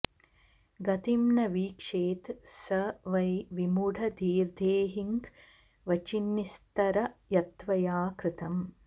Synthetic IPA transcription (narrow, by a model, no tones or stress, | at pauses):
ɡɐt̪imnɐʋiːkʂeːt̪sɐʋɐjʋimuɖɐd̪ʱiːɾd̪ʱeːɦiŋk | ʋɐt͡ʃinːist̪ɐɾɐjɐt̪ʋɐjaːkɾɪt̪ɐm